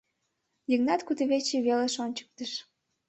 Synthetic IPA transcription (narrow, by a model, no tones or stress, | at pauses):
jəŋnɑt̪kut̪əβet͡ɕiβeleʃonʲt͡ɕə̥k̚t̪əʃ